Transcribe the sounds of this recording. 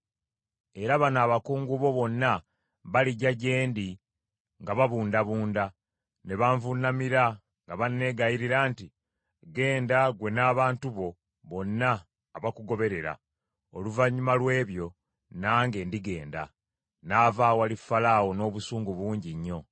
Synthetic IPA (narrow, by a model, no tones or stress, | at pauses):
eɾaβanaːβakuːŋɡuβo̞βo̞nːa | βaliɟaɟe̞ːndi | ŋɡaβaβuːndaβuːnda | ne̞βaɱvunːamiɾa | ŋɡaβanːe̞ɡajiɾiɾaːnti | ɡe̞ːndaɡwe̞naːβaːntuβo̞ | βo̞nːaː | βakuɡo̞βe̞ɾe̞ɾa̰ | oluvaɲːumalwe̞ːβjo̞ | naːŋɡe̞ndiɡe̞ːnda̰ | naːvaːwalifalaːwo̞no̞ːβusuːŋɡuβuːɲɟiɲːo̞